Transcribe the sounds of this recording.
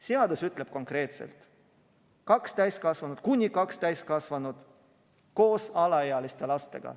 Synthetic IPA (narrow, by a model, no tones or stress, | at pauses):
seɑd̪usyt̪ːˑle̞b̥̚ko̞ŋkɾe̞ːt̪sḛlt̪ˑ | kɑkst̪æjskɑsvɑnud̪̥̚kunʲːikɑkst̪æjst̪kɑsvɑnud̪̥ | ko̞ːsɑlɑeɑlist̪e̞lɑst̪e̞ɡ̥ɑ̰